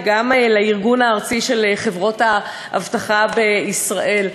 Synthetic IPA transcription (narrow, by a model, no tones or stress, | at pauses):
ɡamlaiʁɡunaːʁt͡siʃelχe̞vʁo̞tha | a̰vtaχabeisʁaʔe̞l